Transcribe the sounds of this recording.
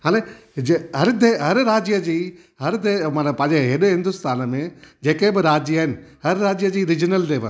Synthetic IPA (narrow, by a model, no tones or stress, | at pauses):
ɦãːle | d͡ʑeɦɐɾd̪eɦɐɾɾaːd͡ʑjəd͡ʑiː | ɦɐɾd̪emanpɐ̃ːɲd͡ʑeɦeːɗeɦɪ̃nd̪ʊst̪aːnəmẽd͡ʑeːkebɪɾaːd͡ʑijəɦɪnɪ̆ɦɐɾɾaːd͡ʑjəd͡ʑiːɾɪd͡ʑnəld̪eːʋɐ̰